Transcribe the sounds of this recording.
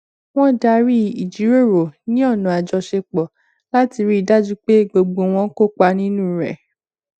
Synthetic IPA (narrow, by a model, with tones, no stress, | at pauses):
w̃ɔ̃˦da˧ɾi˦i˨d͡ʒi˨˦ɾo˦˨ɾo˨nĩ˦ɔ˦˨nũ˨a˨d͡ʒɔ˧ʃe˧k͡pɔ˨ | la˦ti˧ɾi˦i˦˨da˦d͡ʒu˦k͡pe˦ɡ͡bo˧ɡ͡bo˧w̃ɔ̃˧ko˦k͡pa˧nĩ˦nũ˦ɾɛ̰˨